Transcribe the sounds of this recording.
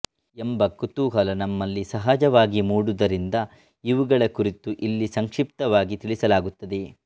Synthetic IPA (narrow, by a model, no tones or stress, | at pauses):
embɐkut̪uːɦɐlɐnɐmːɐlːisɐɦaːd͡ʒɐʋaːɡimuːɽud̪ɐɾind̪ɐ | iʋuɡɐɭɐkuɾit̪uʔilːisɐŋkʂip̚t̪ɐʋaːɡit̪iɭisɐlaːɡut̪ːɐd̪e